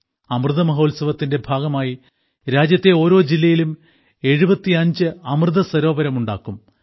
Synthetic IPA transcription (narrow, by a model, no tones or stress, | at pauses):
ɐmrɨðɐmɐɦo̞ːlsɐʋɐt̪ːinde̞bʱaːɡɐmaːji | ɾaːd͡ʑjɐt̪ːe̞o̞ːɾo̞ːd͡ʑilːɐjilum | e̞ɻubɐt̪ːiɐɲd͡ʑɨɐmrɨðɐsɐɾo̞ːbɐɾɐmuɳɖa̰ːkːum